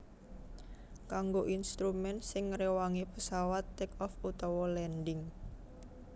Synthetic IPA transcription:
kaŋɡoʔinst̪ɾumɛnsɪŋːɾewaŋipəsawat̪ːɛkɔfut̪ɔwɔlɛnɖɪŋ

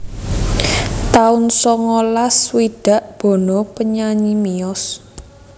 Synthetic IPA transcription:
t̪aʊnsɔŋɔlaswiɖ̥ä̤ʔb̥ɔ̤nɔpəɲaɲimiɔs

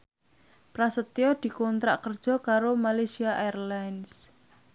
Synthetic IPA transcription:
pɾasət̪iɔd̪̥i̤kɔnt̪ɾa̰ʔkərd̥ʒ̥ɔ̤kaɾomalesiaʔerlans

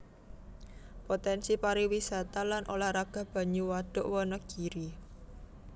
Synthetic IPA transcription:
pot̪ɛnsipaɾiwisat̪alanʔolahraɡ̥a̤hb̥ä̤ɲuwad̪̥ʊ̤ʔwɔnɔɡ̥i̤ɾi

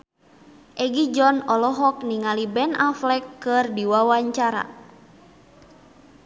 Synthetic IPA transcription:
ʔɛɡid͡ʒɔnɔlɔɦɔk̚niŋalibɛnaflɛkːɨrdiwawaɲt͡ʃaɾa̰

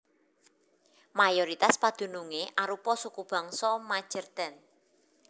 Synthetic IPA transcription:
majoɾit̪aspad̪̥ṳnuŋeʔaɾupɔsukub̥a̤ŋsɔmḁʒ̥ərt̪ɛn

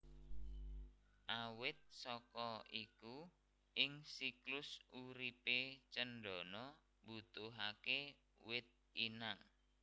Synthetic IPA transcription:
ʔawɪt̪̚sɔkɔiku | ʔɪŋsiklʊsuɾipet͡ʃənɖɔ̤nɔ | but̪ʊɦake | wɪt̪̚inaŋ

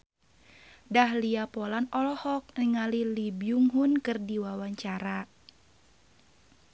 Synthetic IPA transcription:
dahliapɔlanɔlɔhɔk̚niŋalilibjuŋɦunkɨrdiwawaɲt͡ʃaɾa

